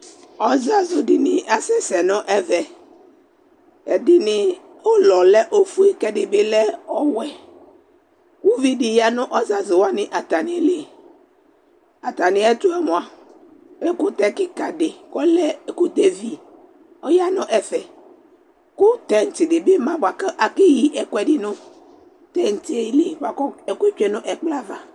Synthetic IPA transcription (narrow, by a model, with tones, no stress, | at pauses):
ɔ˦za˦zʊ˨dɪ˨nɪ˨ʔa˦sɛ˦sɛ˨nʊ̃˦ʔɛ˦vɛ˨ | ɛ˨dɪ˨nɪ˨ | o˦lɔ˨lɛ˦ʔo˦fu˦i˦kɛ˦dɪ˨bɪ˦lɛ˦ɔ˦wɛ˦ | wʊ˦vi˦dɪ˨ja˦nʊ̃˦ʔɔ˦za˨zʊ˨wa˦nɪ˨ʔa˨t̪a˨nɪ˨˦le˦˨ | a˨t̪a˨nɪ˨˦ɛ˦t̪ʊ˦ɛ˦mɔ̃˨a˨˦ | be˦kʊ˦t̪ɛ˨kɪ˦ka˨dɪ˨kɔ˦lɛ˦˨˦kʊ˦d̪e˦vi˨ | ɔ˦ja˦nɔ̃˦ʔɛ˨fɛ˨ | kʊ˦t̪ɛ˦n̩˨tɪ˨dɪ˨be˦mã˦bʊ˨a˨ka˦ʔa˨ke˦ji˦ʔɛ˨kwɛ˨dɪ˦nʊ̃˦ | t̪ɛ˦˨n˨ti˦e˨i˦le˦˨ba˨kɔ˦ɛ˨ke˦t͡ʃɛ˦nʊ̃˦ʔɛ˨k͡pla˦va˨